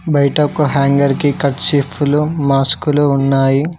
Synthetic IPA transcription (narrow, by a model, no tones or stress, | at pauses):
bɐjʈɐkuɦaːŋɡɐɾkikɐʈt͡ʃipʰːulumaːskuluːnːaːji